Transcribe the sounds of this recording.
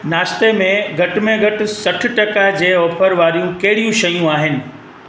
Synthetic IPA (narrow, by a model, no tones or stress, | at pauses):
naːʃt̪emẽɡʱɐʈɪ̆mẽɡʱɐʈɪ̆sɐʈʰʊ̆ʈɐkad͡ʑeːɔːpʰəɾʋaːɾijũkɐɦɪɽijũʃɐjũaːɦɪnɪ̆